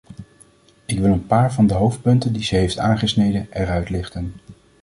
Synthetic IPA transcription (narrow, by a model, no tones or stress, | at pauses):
ɪkʋɪlˠənpaːɹvɑndəɦowft̚pɵntəndizəɦejftaːnχəsnejdənɛrœɥtlɪχtən